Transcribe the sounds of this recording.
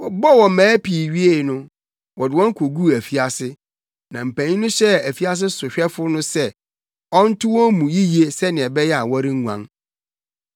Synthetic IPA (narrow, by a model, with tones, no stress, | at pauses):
wɔ˨bɔ˦˨wɔ̃˨mãː˨˦pʰi˨ɥi˦e˦˨nʊ̃˦ | wɔ˨dɪ˨wɔ̃˦ŋ˦kʰo˨ɡu˦˨æ˨fi˦a˨sɪ˦ | nã˨m̩˨pʰæ̃˨nĩ˦nʊ̃˦ɕɛ˦æ˨fi˦a˦s̬ɪ˦sʊ˨ɕᶣɛ˦fʊ˦nʊ̃˦sɛ˦ | ɔ˦n̩˦tʰʊ˦wɔ̃˦mũ˨ji˦ji˨˦e˦sɛ˦nɪ̃˨ɛ˨bɛ˦jɛ˦a˨wɔ˦ɾɪ˦ŋ̩˦ŋu˨ã̰˨ŋ